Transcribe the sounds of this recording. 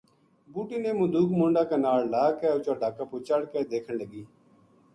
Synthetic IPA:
buːʈiːneːmʊd̪uːkmʊɳɖaːkaːnaːɽlaːkɛːʊt͡ʃaːɖaːkaːpuːt͡ʃəɽkeːd̪eːkʰəɳləɡiː

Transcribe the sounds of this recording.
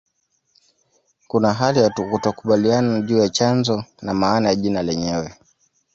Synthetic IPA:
kunaɦalijaukutakuɓalianaʄuːjat͡ʃanzɔnamaːnajaʄinalɛɲɛwɛ

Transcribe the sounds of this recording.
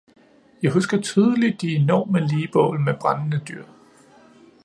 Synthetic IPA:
jɑ̈ɪɦusɡ̥ɐt͡sʰyːð̞ˠəlid̥ːie̝nɒ̰ːməliːb̥ɔ̰ːlmeb̥ʁannəd̥yɐ̰

